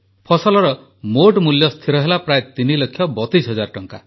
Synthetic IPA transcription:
pʰɔsɔlɔɾɔ | moʈmuljɔst̪ʰiɾɔɦelapɾaet̪inilokʰːjɔbɔt̪isɦɔd͡ʒaɾʈɔŋka̰

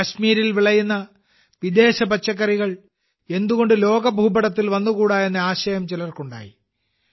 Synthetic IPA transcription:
kɐɕmiːɾilʋiɭɐjunːɐ | ʋid̪e̞ːɕɐbɐt͡ɕːɐkːɐriɣɐɭ | e̞nd̪uɣo̞ɳɖɨlo̞ːɡɐbʱuːbɐɽɐt̪ːilʋɐnːukuːɽaːjenːɨaːɕɐjɐmt͡ɕelɐrkuɳɖa̰ːjḭ

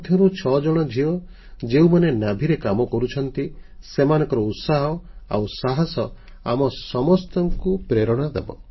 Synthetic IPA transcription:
t̪ʰjɔɾut͡ʃʰɔd͡ʒɔɽ̃ɔd͡ʒʱiɔ | d͡ʒeũmanenabʱiɾekamɔkɔɾut͡ʃʰɔnt̪isemanɔ̃ŋkɔɾɔut̪saɦɔa̰wsaɦasɔ | a̰mɔsɔmɔst̪ɔŋkupɾeɾɔɽ̃ad̪ḛbɔ̰

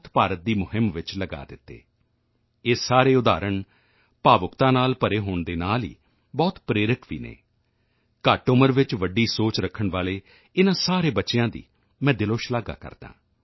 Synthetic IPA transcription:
t̪paːɾət̪̚d̪iːmʊɦɪmʋɪt͡ʃləɡa̰ːd̪ɪt̪ːḛː | ɪsaːɾeːʊd̪aːɾəɳ | paːʋəkt̪ãːnaːlpəɾeːɦoːɳd̪eːnaːlḭː | bɔːt̪pɾeːɾəkʋiːnḛː | kaːʈoːməɾʋɪt͡ʃʋəɖiːsoːt͡ʃɾəkʰːəɳʋaːleː | ɪnãːsaːɾeːbətːt͡ʃejãːd̪ḭː | mɛ̃ːd̪ɪloːʃlaːɡa̰ːkə̰ɾd̪ã̰ː

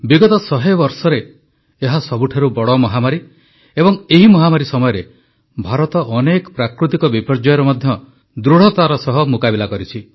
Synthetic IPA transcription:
biɡɔt̪ɔsɔɦebɔɾsɔɾeː | ɦasɔbuʈʰaɾubɔɽɔmɔɦamaɾi | ebɔŋeɦimɔɦamaɾisɔmɔjɔɾe | bʱaɾɔt̪ɔʔɔnekɔpɾakɾut̪ikɔbipɔɾd͡ʒɔjɔɾɔmɔd̪ʱjɔ | d̪ɾuɽ̤ɔt̪aɾɔsɔɦɔmukabilakɔɾit͡ʃʰi

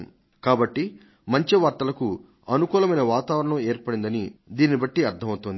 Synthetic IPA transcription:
kaːbɐʈːi | mɐɲt͡ʃiʋɐːɾt̪ɐlɐku | ɐnukuːlɐmɐjnɐʋaːt̪aːʋɐɾɐɳɐmeːɾpɐɽind̪ɐnid̪iːnibɐʈːiɐɾt̪ʰɐmɐwt̪ond̪i

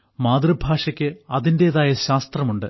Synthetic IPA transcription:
maːd̪rɨbʱaːʂɐkʲːɨɐðinde̞ːðaːjɐɕaːst̪rɐmuɳɖɨ

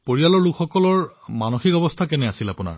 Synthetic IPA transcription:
poɹialɔɹlukʰxɔkɔlɔɹmanoxikɔbɔst̪ʰakɛnɛasilapuna̰ɹ

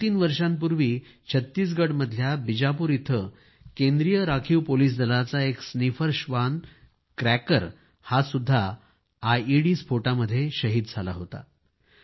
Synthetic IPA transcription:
t̪iːnʋəɾʂãmp̬uɾʋiː | t͡ɕʰət̪ːiːs̬ɡəɽməd̪ʱjabid͡ʑapuːɾit̪ʰə | kẽnd̪ɾijəɾakʰiːwpoliːs̬d̪ʱəlat͡saeksnifəɾɕʋan | kɾækəɾ | hasud̪ʱːaː | jiɽiːsfoʈaməd̪ʱːjeɕəɦiːd̪̚d͡zʱala̰ɦot̪a̰

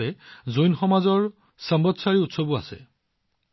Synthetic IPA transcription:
ɛzojnxɔmazɔɹ | sambɔtsaɹiutsobuasɛ̰

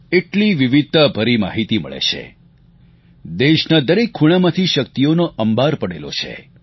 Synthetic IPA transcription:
eʈliʋiʋid̪̚t̪abʱəɾima̰ɦit̪imə̰ɭḛt͡ʃʰḛ | d̪eʃnad̪əɾekʰːuɽ̃amãt̪ʰiʃəkt̪ijonoʔəmbʱaɾpəɽelo̰t͡ʃʰḛ

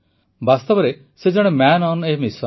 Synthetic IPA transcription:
bast̪ɔbɔɾe | sed͡ʒɔɽ̃emanɔnemisɔ

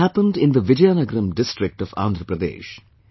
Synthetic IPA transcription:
æpə̃nɖɪ̃nd̪əʋɪd͡ʒjaːnəɡɾə̃mɖɪstʈɾɪk̚ʈɔʋã̰ːnd̪ɾəpɾəd̪ḛːʃ

